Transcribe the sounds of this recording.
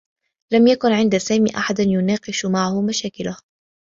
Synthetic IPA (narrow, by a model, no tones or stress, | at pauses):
lamjakʊnʕɪnd̪asaːmḭːʔaħad̪anjʊnɑːqɨʃmaʕhʊmaʃaːkɪlah